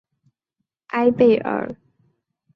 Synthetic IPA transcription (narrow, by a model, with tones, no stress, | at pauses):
ʔa˥ɪpe˥˩ɪʔə̰˨˧˥